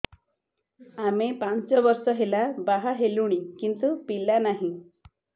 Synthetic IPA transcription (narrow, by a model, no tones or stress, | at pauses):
amepant͡sɔʋəɾsɔɦelabaɦaɦeluɽ̃ikint̪upilːanaɦĩ